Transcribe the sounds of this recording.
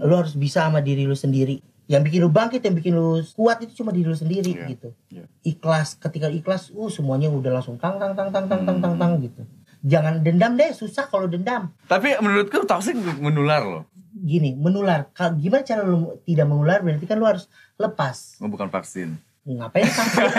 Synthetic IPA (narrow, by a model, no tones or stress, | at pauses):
lʊɦaɾʊs̬bisaːmadiɾilʊsəndiɾi | jaŋbikɪnlubaŋkɪt̪jaŋbikɪnlukuat̪̚it̪ut͡ʃumadiɾilusəndiɾiɡit̪uiklaskət̪ikaliklasuhsəmuaɲaudahlaŋsʊŋt̪aŋt̪aŋt̪aŋt̪aŋt̪aŋt̪aŋt̪aŋt̪aŋɡit̪u | d͡ʒaŋandəndamdɛsusahkalodəndamt̪apimənuɾʊt̪̚kut̪ɔksɪk̚mənularlo̰ɡinimənularkaɡimanat͡ʃaɾalut̪idaʔmənularbənat̪ikanlohaɾʊs | ləpasŋəbukanfa̰ksɪ̰n | apajaŋt̪aŋta